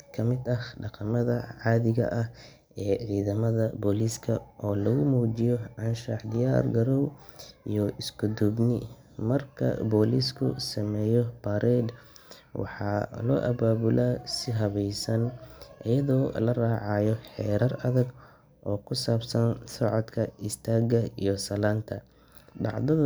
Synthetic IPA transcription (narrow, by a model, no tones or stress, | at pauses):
kʰɐmɪd̪ɐhɖɑqɑmɐðɐʕɑːðɪɣɐ̰ʔɐh | ɛːʕiːðɐmɐðɐbɔːliskʰɐʔɔːlɐɣʊmuːd͡ʒɪjɔʕɑnʃɐħd̪ɪjaːrɡɐɾɔw | ijɔɪsɡʊd̪ʊbnɪ | mɐrkʰɐ̰bɔːliskʰʊ̰sɐmɛːjɔbɐɾʔɛd̪ | wʔɑ̰ħɑːlɔ̰ːʔɐ̰βaːβʊlaːsɪɦɐβɛjsɐnʔɪjɐðɔːlɐraːʕɑjɔħɛːɾɐrɐðɐɡ | ʔɔːkʰʊsaːbsɐnsɔʕɔd̪kʰɐɪst̪ʰaːɡɐijɔsɐlaːnt̪ʰɐ | ɖɑ̰ʕðɐ